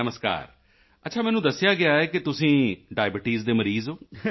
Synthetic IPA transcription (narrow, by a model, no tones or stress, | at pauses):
əməska̰ːɾ | ətːʃʰaːmɛ̃ːnũːd̪əsːɪjaːɡɪaːɛːkɪt̪ʊsĩːɖaːɪbɪʈiːzd̪eːməɾiːzɦoː